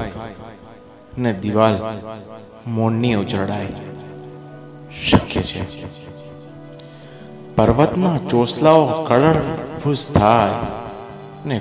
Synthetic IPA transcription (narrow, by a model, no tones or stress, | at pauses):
ned̪iʋal | moɳːiud͡ʒəɽaj | ʃəkjḛt͡ʃʰḛ | pəɾʋət̪nat͡ʃoslaokəɭəɳbʰʱust̪ʰaj | ne